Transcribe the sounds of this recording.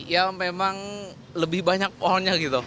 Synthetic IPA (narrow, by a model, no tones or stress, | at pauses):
jamemaŋ | ləbɪhbaɲak̚poɦaɲaɡit̪u